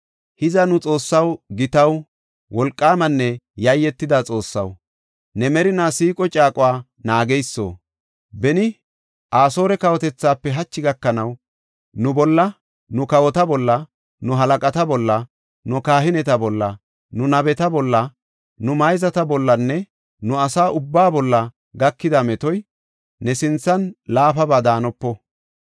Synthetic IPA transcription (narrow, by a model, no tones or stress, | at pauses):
hɪzɐnʊt͡sʼo̞ːsːɐwɡɪt̪ɐw | wɔlkʼːaːmɐnːɛjɐjːɛt̪ːɪd̪at͡sʼo̞ːsːɐ̰w | nɛmɛɾɪnaːsiːkʼɔt͡ʃʼaːkʼʊwaː | naːɡɛjsːo̰ː | bɛnɪ | ʔaːsoːɾɛkɐwɔt̪ɛt͡sːaːpːɛɦɐt͡ʃːɪɡɐkːɐnɐw | nʊbɔlːɐ | nʊkɐwɔt̪ɐbɔlːɐ | nʊɦɐlɐkʼɐt̪ɐbɔlːɐ | nʊkaːhɪnɛt̪ɐbɔlːɐ | nʊnɐbɛt̪ɐbɔlːɐ | nʊmɐjzɐt̪ɐbɔlːɐnːɛ | nʊɐsaːʔʊbːaːbɔlːɐ | ɡɐkːɪd̪ɐmɛt̪ɔj | nɛsɪnt͡sːɐnlaːfɐbaːd̪aːnɔpːɔ